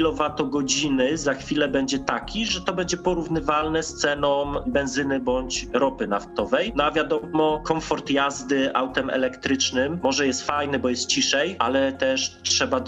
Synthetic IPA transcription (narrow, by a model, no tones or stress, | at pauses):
lɔvat̪ɔɡɔd͡ʑinɘzaxfʲilɛbɛɲd͡ʑɛt̪akʲiʐɛt̪ɔbɛɲd͡ʑɛpɔɾuvnɘvalnɛst̪sɛnɔmbɛnzɘnɘbɔɲt͡ɕɾɔpɘnaft̪ɔvɛjnɔavʲjad̪ɔmɔkɔmfɔɾt̪jazd̪ɘʔa̰wt̪ɛmɛ̰lɛkt̪ɾɘt͡ʂnɘmːɔʐɛjɛst̪fajnɘbɔjɛst̪̚t͡ɕiʂɛjʔa̰lɛt̪ɛʂtʂɛba